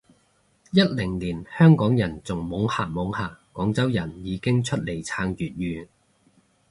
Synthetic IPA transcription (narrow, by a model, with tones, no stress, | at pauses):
jɐ˥t̚lɪ˨˩ŋliː˨˩nhœː˥ŋkɔː˨˥ŋjɐ˨˩nt͡sʊ˨ŋmo˨˥ŋha̰ː˨˩mo˨˧˥whaː˨ɔː˨˥ŋt͡sɐ˥wjɐ˨˩njiː˨˧kɪ˥ŋt͡ʃʰɵ˥t̚le˨˩jt͡sʰaː˧ŋjyː˨t̚jyː˨˧